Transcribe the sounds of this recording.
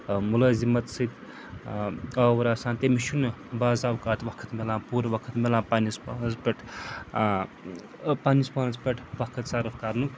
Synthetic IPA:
mulɐːzimɐt̪sɨt̪ | ɐwɾaːsãːnt̪emiʃʰunbaːzawkaːt̪ʋɐkʰɐt̪melãːpuɾʋɐkʰət̪melãːpanispanɐzpeʈʰ | panispanɐzpeʈʰʋɐkʰɐt̪saɾufkaɾnuk

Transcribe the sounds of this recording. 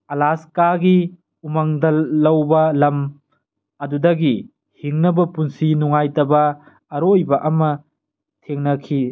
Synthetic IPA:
ɐlaskaɡi | umɐŋdɐlːɐwbɐlɐm | ɐdudɐɡi | hiŋnɐbɐpunsinuŋajtɐbɐː | ɾojbɐʔɐmɐ | tʰeŋnɐkʰi

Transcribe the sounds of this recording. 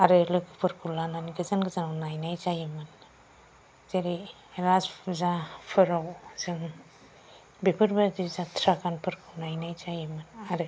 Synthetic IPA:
aɾɯlɯkɯpʰɯɾkʰulananiɡɯzanɡɯzanawnajnajt͡ʃajimɯn | zeɾi | ɾazzapʰɯɾawzim | bepʰɯɾbaɾd̪izat̪ʰɾakanpʰɯɾkʰɯwnajnajt͡ʃajimɯnaɾɯ

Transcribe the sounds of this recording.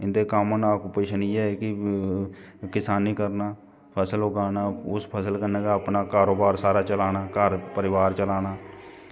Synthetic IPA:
ɪnd̪eːkamnaːkupeːʃəniːɛːekɪ | kɪsaːniːkəɾnaː | pʰəsəlɦoɡaːnaːʊspʰəsəlkəneːɡaːəpnaːkaːɾoːbaːɾsaːɾaːt͡ʃəlaːnaːkəɾpəɾɪʋaːɾt͡ʃəlaːnaː

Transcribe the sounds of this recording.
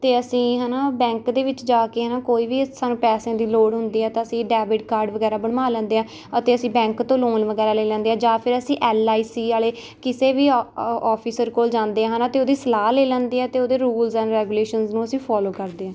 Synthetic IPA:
t̪eːəsĩːɦɛːnaːbɛ̃ːŋkd̪eːʋɪt͡ʃd͡ʒaːkeːɦnaːkoːiːʋiːsaːnũːpɛːsãːd̪iːloːɽɦʊ̃nd̪iːɛːt̪ãːəsĩːɖɛːbɪʈkaːɾɖʋəɡɛːɾaːbəɽmaːlɛ̃ːnd̪eːɦãː | ət̪eːəsĩːbɛ̃ːŋkt̪õːloːnʋəɡɛːɾaːleːlɛ̃ːnd̪eːɦɛ̃ːd͡ʒãːpʰɪɾəsĩːʔɛːlaːiːsiːaːleː | kɪseːʋiːɔːpʰisəɾkoːld͡ʒãːnd̪eːãːɦənaːt̪eːoːd̪iːsəlaːleːlɛ̃ːnd̪iːɦɛːt̪eːoːd̪eːɾuːlzɛ̃ːnɾɛːɡuːleːʃənznũːəsĩːpʰɔːloːkəɾd̪eːãː

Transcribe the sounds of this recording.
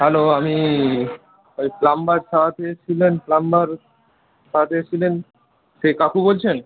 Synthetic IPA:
ɦɛloami | ojflambaɾsaat̪eet͡ɕʰilenflambaɾ | saat̪eet͡ɕʰilen | ʃekakʰubolt͡ɕʰen

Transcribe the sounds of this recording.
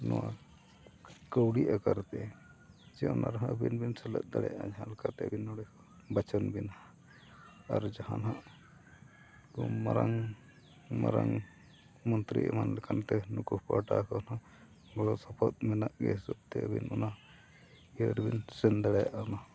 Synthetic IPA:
nɔwa | kəwɽiʔakaɾt̪ɛ | d͡ʒɛɔnaɾaɦaəbinbinsɛlət̪̚d̪aɽɛ̰jaʔad͡ʒaɦãlɛkaɾt̪ɛəbinːɔɽɛkɔ | bat͡ʃɔnbina | a̰ɾd͡ʒahanɦaʔ | kɔmaɾaŋ | ma̰ɾaŋ | mɔnt̪ɾḭʔɛmanlɛkʰant̪ɛnukuhpaʈakɔnɔ | ɡɔɽɔsɔpʰɔt̪̚mɛnaʔɡɛ̰sɔb̚t̪ɛəbḭnɔna | iəɾbinsɛnd̪aɽɛjaʔana

